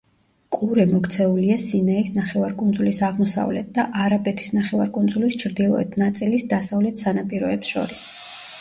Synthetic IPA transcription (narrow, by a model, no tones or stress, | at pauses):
kʼuɾɛmɔkʰt̪sʰɛuliasinɛisnaχɛvaɾkʼund̪zulisaʁmɔsa̰vlɛt̪̚d̪aʔaɾabɛt̪ʰi̥snaχɛva̰ɾkʼund̪zulist͡ʃʰɾd̪ilˠɔ̰ɛt̪ʰnat̪sʼilisd̪asavlɛt̪ʰsanapʼiɾɔɛpsʃɔ̰ɾis